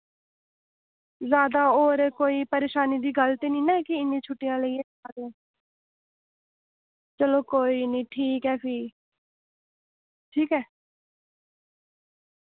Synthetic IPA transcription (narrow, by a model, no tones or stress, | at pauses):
zjaːd̪aːoːɾkoːiːpəɾeːʃaːniːd̪iːɡəlt̪eːnĩːnɛ̃ːkɪɪnːĩːt͡ʃʰʊʈːijãːləieː | aːd̪eɛ̃ː | t͡ʃəloːkoːiːnĩːʈʰiːkɛːpʰiː | ʈʰiːkɛː